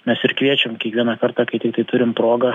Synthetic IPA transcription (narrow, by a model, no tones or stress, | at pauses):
mʲɛsɪɾkʋʲiɛt͡ʃʲɛmkʲiɛkʋʲiɛnɐkɐrt̪ɑːkɐɪt̪ʲɪk̚t̪ɐɪt̪ʊɾʲɪmpɾoːɡɐ